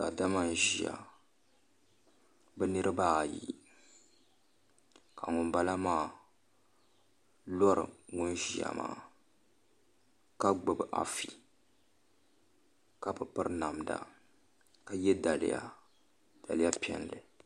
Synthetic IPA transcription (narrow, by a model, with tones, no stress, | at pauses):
ka˨da˦ma˦n˨ʒi˨a̰˨ | bɛ˦nɨ˦ɾɨ˦baː˦˨jḭ˦˨ | ka˨ŋʊ˨nba˦la˦maː˦˨ | lɔ˦ɾɨ̰˨ŋʊ˦nʒi˨ja̰˨ma̰ː˦˨ | ka˦ɡ͡bɨ˨bɨ˨ʔa̰˨fi˨ | ka˦pɨ˨pɨ˦ɾɨ˦na˨mda̰˨ | ka˦jɛ˦da˨lɪ̰˦ja̰˦˨ | d̥a˨lɨ˦ja˦pi˦ɛ˦nlɨ˨